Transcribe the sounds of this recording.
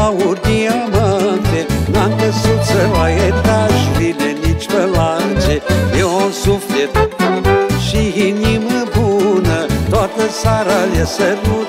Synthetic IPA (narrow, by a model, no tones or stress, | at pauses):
awuɾd̪iamant̪enamk̪əsut̪səlaet̪aʒɾilenit͡ʃpəlaɨnt͡ʃeeonsuflet̪ | ʃiiniməbunət̪oat̪əsaɾaljasəɾu